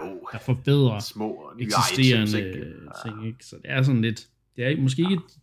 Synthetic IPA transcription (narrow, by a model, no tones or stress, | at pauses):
d̥ɑ̈fɒb̥eð̰ˠʁɐmɔ̰eɡisd̥e̝̰ːɐnət͡sʰe̝ŋ̰eɡ̥sɒ̽d̥e̝æɐs̬ɒ̽n̩le̝d̥ | d̥e̝æɐɡmɒsɡ̥e̝ːe̝ɡ̥ə̥